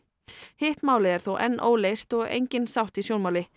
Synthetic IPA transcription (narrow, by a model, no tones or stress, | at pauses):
hɪht̪maːwlɪɛɾ̥θowʔɛ̰nːʔo̰ːwlejst̪ɔɣḛjɲcɪnsawht̪isjowlmaːwlɪ